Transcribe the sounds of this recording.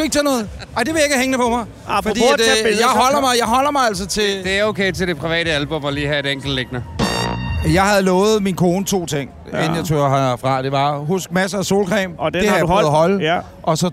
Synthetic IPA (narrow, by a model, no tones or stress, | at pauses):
ueɡ̥̚t͡sʰænɔ̽ːð̩ˠ | ɑ̈ɪd̥eʋe̝je̝ɡ̥əheŋnəpʰɒ̽mɑ̈ɪ | fɒd̥ḭd̥ejɑ̈ɪɦɒ̽l̰ɐmɑ̈ɪjɑ̈ɪɦɒ̽l̰ɐmɑ̈ɪæl̰sɒt͡sʰe̝d̥e̝æɐoʊkʰeɪt͡sʰe̝de̝pʰʁiʋɛ̰ːɾəælb̥ɔ̽mɒliːhæe̝ɾeŋ̰ɡ̥l̩d̥leɡ̥nɐ | jɑ̈ɪhæðˠlɔːð̩ˠminkʰo̝ːnət͡sʰo̝̰ːt͡sʰeŋ̰ | ennjat͡sʰoɦɑfʁɑ̈d̥e̝ʋɑ̈ɦusɡ̥̚mæs̬əæso̝̰ːlkʰʁɛ̰ːmd̥ehðˠɦɒ̽l | ʔɒ̽sɒ̽